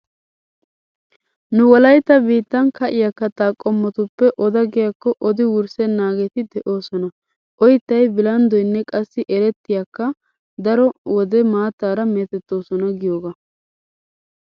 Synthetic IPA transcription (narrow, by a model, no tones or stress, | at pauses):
nʊwɔlɐjt̪ːɐbiːt̪ːɐnkɐʔɪjakːɐt̪aːkʼːɔmːɔt̪ʊpːɛʔɔd̪ɐɡɪjakːɔʔɔd̪ɪwʊɾsɛnːaːɡɛt̪ɪd̪ɛʔo̞ːsɔnɐ | ʔɔjɪt̪ːɐjbɪlɐnd̪ɔjnːɛkʼɐsːɪʔɛɾɛt̪ːɪjakːɐ | d̪ɐɾɔwɔd̪ɛmaːt̪ːaːɾɐmɛːt̪ɛt̪ːo̞ːsɔnɐɡɪjoːɡa